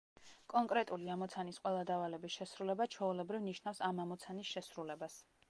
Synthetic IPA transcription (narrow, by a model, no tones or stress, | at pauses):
kʼɔŋkʼɾɛt̪ʼuliamɔt̪sʰanisqʼwɛlˠad̪avalɛbisʃɛsɾulɛbat͡ʃʰɔulɛbɾivniʃnafsamamɔt̪sʰanisʃɛsɾulɛbas